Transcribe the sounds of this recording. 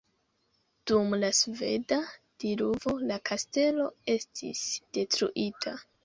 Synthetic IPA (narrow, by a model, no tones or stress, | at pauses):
d̥umlasve̞̰da | d̥iluvo̞lakaste̞lo̞e̞stʰḭsd̥e̞tɾṵʔitʰa